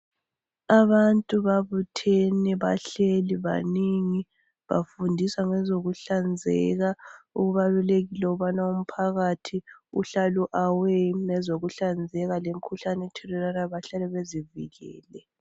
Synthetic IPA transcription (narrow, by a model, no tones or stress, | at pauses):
aβantʼuβaβutʰɛnɛβaɬeliβa̰niŋi | βa̰fundʱiswaŋɛzoɣuɬand͡zʱɛ̰ɣauɣuβaluleɣilɛuβanaum̩pʰaɣatʰiuɬaluʔawɛnɛzoɣuɬand͡zʱɛɣalem̩kʰuɬanɛtʰɛlɛlanaβaɬalɛβezivḭɣɛ̰ːlɛ